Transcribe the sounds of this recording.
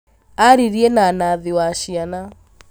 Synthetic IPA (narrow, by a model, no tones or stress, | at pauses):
aɾiɾienanaðɪwaʃiana